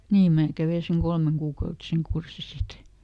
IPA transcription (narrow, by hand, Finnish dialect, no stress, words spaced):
niːm mæː kæʋei seŋ kolmeŋkuːkɑutiseŋ kursi sit